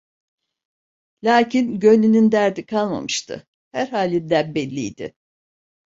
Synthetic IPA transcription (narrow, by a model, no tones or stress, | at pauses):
lʲaːcʰinɟøninind̪æɾd̪ikʰalˠma̰mɯʃt̪ʰɯ̰ | hæɾɦaːlʲid̪æbbɛlʲːijd̪ɪ̰